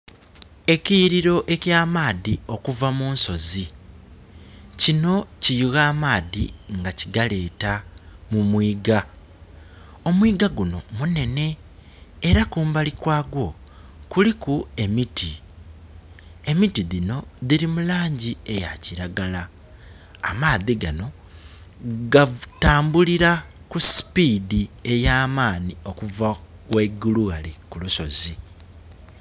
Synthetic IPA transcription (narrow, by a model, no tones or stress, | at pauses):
e̞ciɾiɾo̞ʔe̞cjaːmaːðio̞kuvamuːnso̞zi | cino̞cijuɣaːmaːðiŋɡaciɡale̞ːtamumwiːɡa | o̞mwiːɡaɡuno̞̰mune̞ne̞ː | ɾakuːmbalikwaːɡwo̞kulikue̞miti | e̞mitiðino̞ðiɾimulaːɲɟie̞ja̰ciɾaɡala̰ː | maːðiɡano̞ | ɡataːmbuliɾakusi̥piːdie̞jaːmaːnio̞kuvawe̞ɡuluɣalikuluʃo̞zi